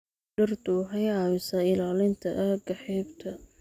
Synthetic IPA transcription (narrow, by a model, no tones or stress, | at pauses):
ɖɐrd̪uħɑjʕɑwɪsɐɪlaːlɪnt̪ʰɐʔɐɡɐħɛːbt̪ʰɐ